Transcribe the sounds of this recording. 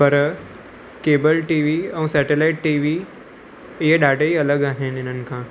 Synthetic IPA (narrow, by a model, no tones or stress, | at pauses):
pəɾ | keːbəlʈiːʋiɐ̃w̃sɛʈelaiʈːiʋi | jeɖaʈəiɐləɡaːɦenɪnənkʰã